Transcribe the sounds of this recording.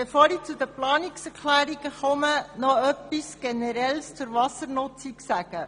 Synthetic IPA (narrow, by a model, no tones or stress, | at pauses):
b̥efoːɾiːt͡sud̪əplɑːniksɛɾkʰlæːɾiɡəχɔmənɔœpːisɡ̥enɛɾɛlst͡sʊɾʋɑsəɾnʊt͡siksæɡ̥ə